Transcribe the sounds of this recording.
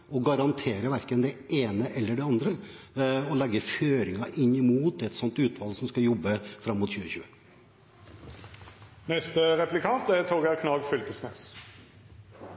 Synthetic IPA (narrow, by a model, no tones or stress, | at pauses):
ɔɡɑɾɑnt̪ʰeːɾəʋæɾkənd̪ɛeːnəʔɛlːəɖɛɑnd̪ɾə | ɔlɛɡːəføːɾɪŋɑʔɪnːɪmuːt̪ɛt̪sɔnt̪ʉːt̪ʋɑlsɔmskɑjɔbːəfɾɑmːʊt̪ɕʉːəçʉːə | nɛst̪əʁɛplɪkʰɑnt̪æʁt̪ʰoːɡəʁkʰnɑːɡfʏlt̪əsmḛːs